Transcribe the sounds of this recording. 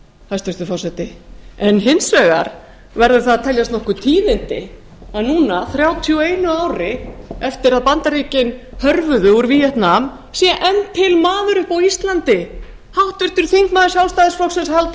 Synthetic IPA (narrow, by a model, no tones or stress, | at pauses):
hast̪ʏst̪ʏfɔsɛt̪ɪɛnɦɪnsœːɣa̰ɾ | vɛɾðʏ̥θaðat̪ʰɛljast̪nɔhkʏt̪ʰiːðɪnt̪ɪ | aðnuːnaθɾjaːwt̪ʰiɔeːjnʏaːwɾɪɛft̪ɪɾaðpant̪aɾiːcɪnhœɾvʏðʏuɾvijɛht̪nam | sjɛʔɛnt̪ʰːɪlmaːðʏɾʏhpawist̪lant̪ɪ | hawht̪vʏht̪ʏɾ̥θiŋkmaːðɪ̥sjawlst̪ajðɪsflɔwksɛnshalt̪